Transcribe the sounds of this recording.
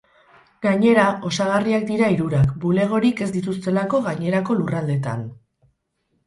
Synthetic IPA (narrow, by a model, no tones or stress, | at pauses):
ɡaɲe̞ɾao̞saɣ̞ariak̚d̪iɾaiɾuɾakbule̞ɣ̞o̞ɾike̞zd̪it̪ust̪e̞lako̞ɣaɲe̞ɾako̞lurald̪e̞t̪a̰n